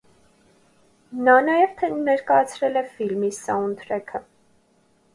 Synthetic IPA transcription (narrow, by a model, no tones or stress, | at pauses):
nɑnɑjɛvt̪ʰɛnɛɾkɑjɑt͡sʰɾɛlɛfilmisɑunt̪ʰɾɛkʰə